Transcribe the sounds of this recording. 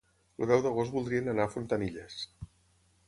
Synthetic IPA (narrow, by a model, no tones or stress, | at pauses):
luðɛwðəɣ̞ost̪bulˠd̪ɾiənənafunt̪əniʎes